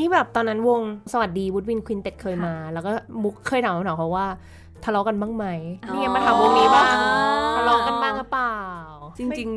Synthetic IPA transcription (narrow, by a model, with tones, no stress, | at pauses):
niː˦˥bɛː˨˩p̚t̪ɔː˧nːa˦˥nwo˧ŋsa˧wa˨˩t̪̚diː˧wu˦˥wi˧nkʰwiː˧nt̪e˨˩t̪̚kʰɤː˧jmaː˧lɛː˦˥wkɔː˥˩mu˦˥kʰːɤː˧˩j̪ʰaː˨˦mːʰ˨˦˧a˨˦kʰa˧˥waː˥˩ | t̪ʰa˧lɔ˦˥ka˧nbaː˥˩ŋma˦˥jʰiː˥˩ŋa˦˥jmaː˧t̪ʰa˧˦mwo˧ŋniː˦baː˥˩ŋt̪ʰa˧lɔː˦˧˥ka˧nbaː˥˩ŋkʰa˦˥plaː˨˩˨wt͡ɕi˧ŋt͡ɕi˧ŋ